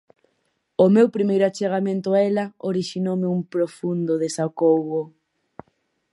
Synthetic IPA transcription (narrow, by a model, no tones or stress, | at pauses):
ʊmewpɾimejɾʊat͡ʃeɣ̞amẽnt̪ʊaɛlaoɾiʃinowmɪumpɾofund̪oðesakowɣo